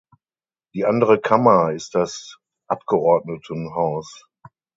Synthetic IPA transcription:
d̥iːʔandəʁ̞əkʰamɐɪst̚d̥as | ʔap̚ɡ̥əʔɔɐdnətʰənɦaʊs

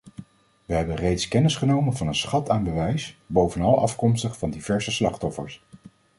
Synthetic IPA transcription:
ʋəɦɛbənrejtskɛnɪsχənowmənvɑnənsχɑtaːnbəʋɛjsbowvənɑlˠɑ̰fkɔmstəχfɑndivɛɹzəslɑχtɔfə̰ɹs

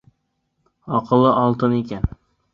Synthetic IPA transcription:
ɒqʰɨlˠːɪʔɒlˠt̪ɪnekʲʰan

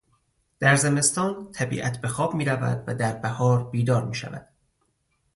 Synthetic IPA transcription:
d̪̥æɾze̞me̞st̪ɒːnt̪ʰæbḭːʔæt̪ʰbe̞xɒːbmiːɾævæ̰d̪væd̪æɾbæhɒːɾbiːd̪ɒːɾmiːʃæ̰væ̰d̪̥

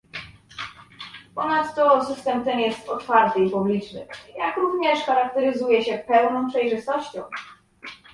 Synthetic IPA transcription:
pɔnat̪ːɔsɘst̪ɛmt̪ɛnjɛst̪ɔt̪faɾt̪ɘipublʲit͡ʂnɘ̰jakɾuvɲɛʂxaɾak̚t̪ɛɾɘzujɛɕɛpɛwnɔ̃w̃pʂɛjʐɘst̪ɔɕt͡ɕɔ̰̃w̃

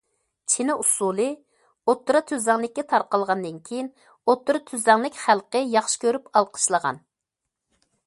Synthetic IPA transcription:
t͡ʃʰenɪʔusulˠɨ | ot̪ːuɾɑt̪ʰyzɛŋlˠɪk̚ʲːɛt̪ʰɑɾqɑlˠʁɑnd̪ɨnkʲʰejin | ot̪ːuɾɑt̪ʰyzɛŋlˠɪkʲχælˠqəjɑχʃɪ̥kʲøɾypɑlˠqʰə̥ʃlˠəʁɑ̰n

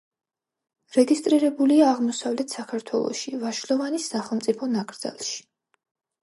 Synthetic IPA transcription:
ɾɛɡist̪ʼɾiɾɛbuliaːʁmɔsavlɛt̪ʰsakʰaɾt̪ʰwɛlˠɔ̰ʃivaʃlɔvanisːaχɛlˠmtsʼipʰɔnakʼɾd̪za̰lˠʃi̥

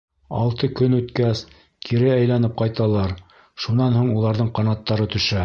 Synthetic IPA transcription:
ɑ̰lˠt̪ɤkɵnʉt̪kæs | kʰiɾɘæjlænɘp̚qɑjt̪ɑlˠɑɾ | ʃunɑnhuɴulˠɑɾðɤɴqɑnɑt̪ːɑɾɤt̪ɵ̆ʃæ

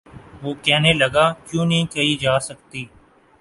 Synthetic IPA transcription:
ʋoːkɛːneləɡaːkjũːnəɦĩkəiːd͡ʒaːsək̚t̪iː

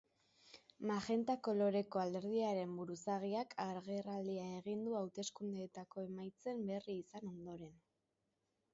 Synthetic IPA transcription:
maxe̞nt̪ako̞lo̞ɾe̞ko̞ald̪e̞ɾð̞iaɾe̞mbuɾusaɣ̞iakʰaɾɣerald̪iae̞ɣ̞ind̪uawt̪e̞skund̪eːt̪ako̞e̞majt͡se̞mbe̞riːsano̞nd̪o̞ɾe̞n

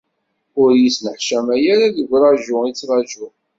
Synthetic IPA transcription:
ʊɾjisnəħʃæmæjæɾaðəɡʷɾˤɑʒʊit͡sːʁɑʒʊ

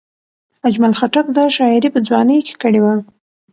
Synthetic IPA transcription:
ad͡ʒmalxaʈakd̪əʃɑɪɾipəd͡zwɑnəjoke̥kəɽewa

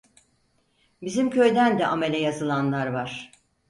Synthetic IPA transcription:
bizimcʰø̞jd̪ænd̪ɛʔame̞lʲɛjazɯlˠanlˠaɾvaɾ̥

